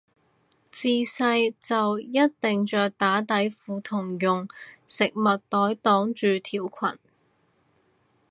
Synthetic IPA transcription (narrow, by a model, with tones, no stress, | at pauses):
t͡siː˧sɐ˧jt͡sɐ˨wjɐ˥t̚t̪ɪ˨ŋt͡ʃœː˨k̚t̪aː˨˥t̪ɐ˨˥jfuː˨˧t̪ʰʊ˨˩ŋjʊ˨ŋsɪ˨k̚mɐ˨t̚t̪ɔː˨˥jt̪ɔː˨˥ŋt͡ʃyː˨˧t̪ʰiː˨˩wkʷʰɐ̰˨˩n